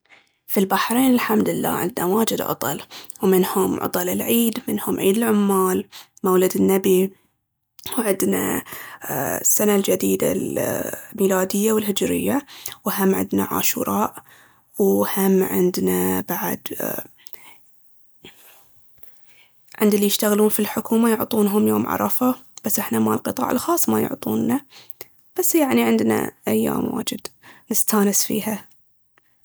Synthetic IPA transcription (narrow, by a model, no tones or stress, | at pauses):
filbaħɾeːnɪlħamd̪ɪlːa̰ːʕɪ̰nd̪nawaːd͡ʒɪd̪ʕʊ̰t̪ˤɑ̰lwmɪnhʊmʕʊ̰t̪ˤɑlɪlʕiːd̪mɪnhʊmʕiːd̪ɪlʕʊmːaːl | mawlad̪ɪnːabi | wʕɪd̪na̰ | sːanald͡ʒad̪iːd̪a̰lmiːlaːd̪ɪjːawɪlɦɪd͡ʒɾɪ̰jːawɦamːʕɪ̰d̪na̰ʕa̰ːʃṵːɾˤɑːʔ | whamːʕɪ̰nd̪nabaʕa̰d̪ | ʕɪnd̪ɪlːijɪʃt̪aɣluːnfilħʊkuːmajʊʕt̪ˤuːnɦʊmjoːmʕɑ̰ɾˤɑfab̥asːʔɪħnamalqɨt̪ˤɑ̰ːʕə̰lxɑːsˤmajʊ̰ʕt̪ˤuːnːa | b̥asːjaʕniʕɪnd̪na̰ʔajːa̰ːmwa̰ːd͡ʒɪd̪nɪst̪aːnɪsfḭːha